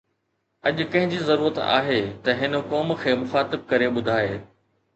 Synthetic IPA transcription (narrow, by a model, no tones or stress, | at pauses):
ɐʄʊkɐ̃ɦɪ̃ɲd͡ʑizɐɾuːɾət̪a̰ːɦet̪ɐɦɪnkɔːmkʰeːmʊxaːt̪ɪb̚kɐɾeɓʊd̪ʱaːeː